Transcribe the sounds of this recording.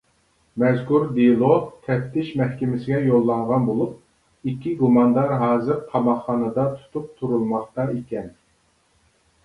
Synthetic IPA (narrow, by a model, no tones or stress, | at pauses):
mɛzkuɾd̪ilˠot̪ʰɛpt̪ʰɪʃmɛhkʲɪmɪsɪɡʲɛjolˠːɑŋʁɑnbolˠup̚ | ikʲʰːiɡumɑnd̪ɑɾɦɑːzɨɾt̪ʰɑmɑχːɑnɨd̪ɑt̪ʰu̥t̪ʰup̚t̪ʰuɾulˠmɑχt̪ɑikʲɛn